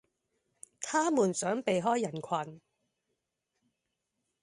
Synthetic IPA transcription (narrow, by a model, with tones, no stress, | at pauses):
t̪ʰaː˥muː˨˩nsœː˨˥ŋpe˨jɦɔː˥jːɐ˨˩nkʷʰɐ˨n